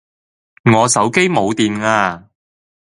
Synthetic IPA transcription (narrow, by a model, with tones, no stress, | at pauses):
ŋɔː˨˧sɐ˨˥wke˥jmo˨˧wt̪iː˨˧nŋaː˧